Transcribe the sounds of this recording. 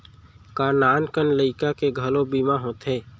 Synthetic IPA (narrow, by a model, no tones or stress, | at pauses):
kaːnaːnkənləɪkakeɡʱəlõbiːmaɦõːt̪ɦɛː